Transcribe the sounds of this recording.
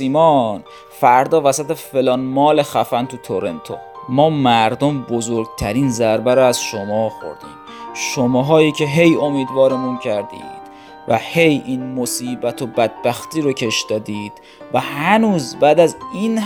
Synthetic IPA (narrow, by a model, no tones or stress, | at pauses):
iːmɒn | fæɾd̪ɒːvæsæt̪efe̞lɒːnmɒːle̞xæfænt̪ʰut̪ʰoɾe̞̰nt̪ʰo̰mɒːmæɾd̪ombozoɾɡt̪ʰæɾiːnzæɾbæɾoæz̥ʃomɒːxo̞̰ɾd̪ḭːm | ʃomɑːɦɒːjiːcʰe̞ɦe̞jo̞miːd̪vɒːɾemuncʰæɾd̪ḭːd̪̥ | væ̰he̞jʔinmosiːbæt̪ʰobæd̪̚bæxt̪ʰiːɾocʰe̞ʃd̪ɒːd̪iːd̪̥ | væhænuːzbæːd̪æzin